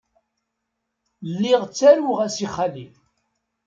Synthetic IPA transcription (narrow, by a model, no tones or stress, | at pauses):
lːiʁt͡sːæɾuʁæsiχːalif